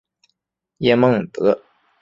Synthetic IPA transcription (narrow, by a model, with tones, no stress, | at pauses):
jɛ˥mɤ˥˩ŋt̪ɤ˧˥